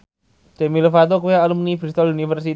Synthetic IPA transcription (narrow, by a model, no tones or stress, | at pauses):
t͡ʃɛmilofat̪̬okujaalumunifɾist̪ɔlunifərs̬i